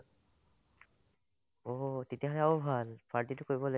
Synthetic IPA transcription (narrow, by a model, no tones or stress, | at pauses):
otetijaɦɔlɛaobʱalpaɹtitʊkoɹibɔle